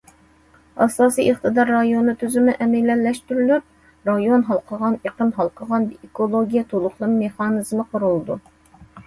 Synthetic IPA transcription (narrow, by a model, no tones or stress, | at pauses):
ɑsɑːsijʔeχt̪ʰɨd̪ɑɾːɑjonut̪ʰyzymɪʔɛmɛlːɛlːɛʃt̪yɾylyɾ | ɾɑjonɦɑlˠqʰəʁɑneqʰəmɦɑlˠqʰəʁɑnikolˠoɡʲijɛt̪ʰolˠʊχlˠɨmmeχɑnɨzmɨqʰʊɾulˠɨd̪u